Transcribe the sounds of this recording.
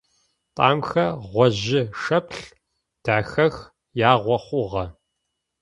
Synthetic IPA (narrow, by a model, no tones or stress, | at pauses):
tʼɑ̰ːmxɐʁʷɔʑɪʂɐpʰɬ | d̥aːxɐx | jaːʁʷɔχʷʊʁɐ